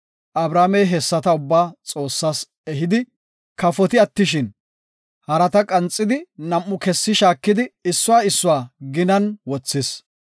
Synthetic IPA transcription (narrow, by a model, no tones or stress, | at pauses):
ʔɐbɾaːmɛjɦɛsːɐt̪ɐʊbːaːt͡sʼo̞ːsːaːs | ɛɦɪd̪ɪ | kɐfɔt̪ɪɐt̪ːɪʃ̬ɪn | hɐɾɐt̪ɐkʼɐnt͡sʼːɪd̪ɪnɐmʔːʊkɛsːɪʃaːkːɪd̪ɪɪsːʊwaːɪsːʊwaːɡɪnɐnwɔt͡sːɪs